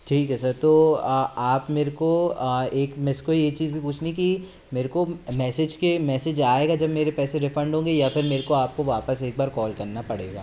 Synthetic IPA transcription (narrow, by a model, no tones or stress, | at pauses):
ʈʰiːkɛsɐɾt̪oːaːpmeːɾekoeːkmɪskoijet͡ʃiːzbʱipuːt͡ʃʰniki | meːɾekomɛːsed͡ʒkemɛːsed͡ʒaːeːɡad͡ʒɐbmeːɾepɛːseɾɪfə̃ɳɖʱɦõːŋɡejafɪɾmeːɾekoaːp̚koʋaːpəseːk̚baːɾkɔːlkɐɾnapɐɽeːɡa̰ː